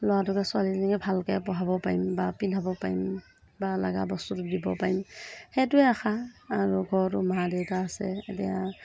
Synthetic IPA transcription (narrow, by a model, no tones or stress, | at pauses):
lɔatɔkasualiliŋabʱalkajpɔɦabɔpajmbapinʰʱabɔpajm | balaɡa̰bɔstutudibɔpajmhɛtuɛaxʰaːɹuɡʱɔɹtumaɦadɛwtaːsɛ̰tḭja